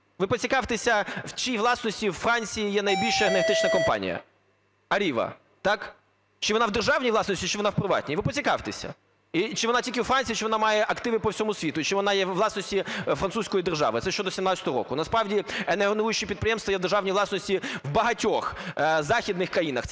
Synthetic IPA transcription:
ʋɪpɔt͡sʲikɑwt̪esʲɐwt͡ʃiʋlˠɑsnɔsʲtʲiwfɾɑnʲt͡sʲijijɛnɐjbʲilʲʃɐeneɾɦɐt̪ɪt͡ʃnɐkɔmpɑ̰nʲḭjɐ̰ | ɐɾʲiʋɐ̰ | t̪ɑk | t͡ʃɪʋɔnɑwd̪erʒɑwnʲijʋlˠɑsnɔsʲtʲit͡ʃɪʋɔnɑwpɾɪʋɑ̰t̪ʲnʲiʋɪpɔt͡sʲikɑwt̪esʲɐ̰ | it͡ʃɪʋɔnɑtʲilʲkʲɪwfɾanʲt͡sʲit͡ʃɪʋɔnɑmɑjɛʔɐkt̪ɪʋɪpɔwsʲɔmʊsʲʋʲit̪ʊt͡ʃɪʋɔnɑjɛʋlˠɑsnɔsʲtʲifɾɐnt̪susʲkɔjid̪erʒɑ̰ʋɪ̰t̪sɛʃt͡ʃɔd̪ɔsʲimnɑt͡sʲɐt̪ɔɦɔɾɔ̰kʊnɐspɾɑʋdʲieneɦɔnujʊt͡ʃɪpʲid̪̚pɾɪjɛmst̪ʋɔjɛd̪erʒɑʋnʲiʋlˠɑsnɔsʲtʲiwbɐɦɐtʲɔxzɑxʲid̪nɪxkɾɐjinɐx

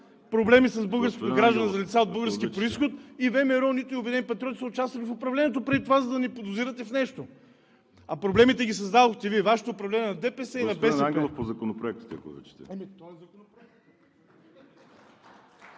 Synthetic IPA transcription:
pɾoblɛmisɐzbɤlˠɡəɾskot̪ɡɾaʒd̪ənɛzɐlʲit̪saod̪̚bɤlˠɡəɾskipɾoisxot̪ivɛmɛɾɔnit̪ʊiʊbɛd̪ɛnipɐt̪ɾʲjɔt̪isɐʊt͡ʃast̪vɐlifʊpɾɐvlɛniːɛt̪opɾɛd̪it̪ovazɐd̪ɐnipod̪ʊziɾət̪ɛfnɛʃt̪o | ɐpɾoblɛmit̪ɛɡʲisɐzd̪ad̪oxt̪ɛviɛvaʃɛ̥t̪oːpɾɐvlɛnʲiɛnɐd̪ɛpɛsɛinɐbɛaɡɛllˠofpozɐkonopɾoɛkt̪i̥t̪ɛɐ̰ko̰vɛ̰t͡ʃɛ̥t̪ɛ̰ɛmit̪ɔɛzɐkonopɾoɛk̪̚

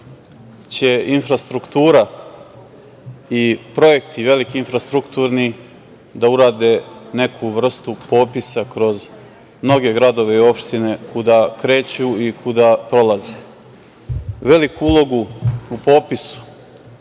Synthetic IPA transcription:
t͡ɕe̞infɾast̪ɾukt̪uːɾa | ipɾo̞je̞kt̪iʋe̞likiinfɾast̪ɾukt̪uːɾni | d̪auɾaːd̪e̞ne̞kʰuʋr̩st̪upo̞ːpisakɾo̞z | mno̞ɡe̞ɡɾad̪o̞ʋe̞io̞pʃt̪ine̞kud̪akɾe̞ːt͡ɕuikʰud̪apɾo̞lˠaze | ʋe̞likʰuulˠo̞ɡuupo̞ːpisu̥

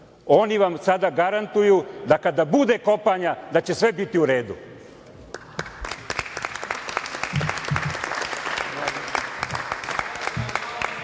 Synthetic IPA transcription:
o̞niʋamsad̪aɡaɾant̪ujud̪akad̪abud̪eko̞paɲad̪at͡ɕe̞sʋe̞bit̪iuɾe̞ːd̪ṵ

